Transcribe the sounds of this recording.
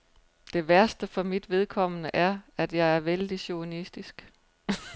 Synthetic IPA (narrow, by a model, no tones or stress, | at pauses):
d̥e̝ʋæɐsd̥əfɒ̽mid̥ʋe̝ð̞ˠkʰɒ̽m̰ənəʔæɐæd̥jɑ̈ɪæɐʋeld̥iɕo̝nisd̥isɡ̥